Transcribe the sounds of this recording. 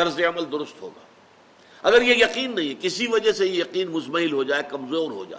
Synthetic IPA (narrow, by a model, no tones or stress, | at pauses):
ɐɾzeɐməld̪ʊɾʊst̪ɦo̰ːɡa̰ː | ɐɡəɾjejɐqiːnːɐɦĩɦɛkɪsiʋɐd͡ʒɐɦsejejɐqiːnmʊsmɐɦɪlɦod͡ʒaːekɐmzoːɾɦo̰d͡ʒa̰ː